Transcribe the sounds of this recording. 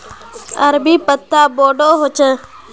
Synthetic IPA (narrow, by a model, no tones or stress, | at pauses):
əɾbiːpət̪ːaːboːɖoːɦoːt͡ʃə̃ː